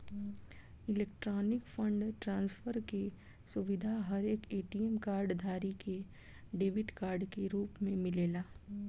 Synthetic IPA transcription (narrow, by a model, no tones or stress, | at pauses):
ɪleːk̚ʈɾɔːnɪkfə̃ɳɖʈɾãːnsfʰəɾke | sʊʋɪd̪ʱaɦɐɾeːkeːʈiɛmkaːɾɖd̪ʱaːɾike | ɖeːʋɪʈkaːɾɖkeɾuːpmẽmɪleːlaː